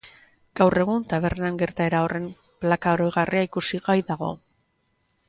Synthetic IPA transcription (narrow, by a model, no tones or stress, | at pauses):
ɡ̥awre̞ɣunt̪aβ̞e̞ɾnaŋɡe̞ɾt̪ae̞ɾao̞rʔe̞m | plakaoɾoɣarʔiaikusiɣajðaɣo̞̰